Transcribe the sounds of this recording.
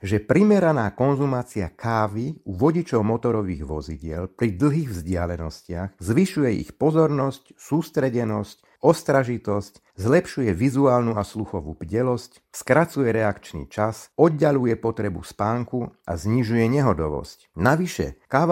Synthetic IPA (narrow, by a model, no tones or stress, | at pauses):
ʒɛpɾimɛɾanaːkɔnzumaːt͡sia̰kʰaːʋiuʋɔɟit͡ʃɔʊmɔt̪ɔɾɔʋḭːɣʋɔ̰ziɟɪɛlpɾid̪l̩ˠɦiːɣvzɟɪalɛnɔscɪaɣzʋiʃujɛḭxpɔzɔɾnɔscsuːst̪ɾɛɟɛnɔsc | ɔst̪ɾaʒit̪ɔsc | zlɛpʃujɛʋizuaːlnuasluxɔʋṵːb̥ɟɛlɔsc | skɾat͡sujɛɾɛakt͡ʃnḭːt͡ʃasɔd̪ɟalujɛpɔt̪ɾɛbṵspaːŋkuʔa̰zɲiʒujɛɲɛɦɔd̪ɔʋɔ̰scnaʋiʃɛ̰kaːʋa